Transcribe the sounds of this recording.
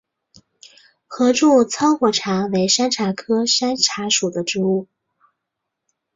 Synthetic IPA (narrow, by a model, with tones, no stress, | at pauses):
xɤ˧˥ʈ͡ʂu˥˩t͡sʰɑ˥ʊxwɔ˧˥˩ʈ͡ʂʰa˧˥we˧˥ɪʂa˥nʈ͡ʂʰa˧˥kʰɤ˥ʂa˥nʈ͡ʂʰa˧˥ʂu˨˩d̪ə˦ʈ͡ʂɻ̩˧˥u˥˩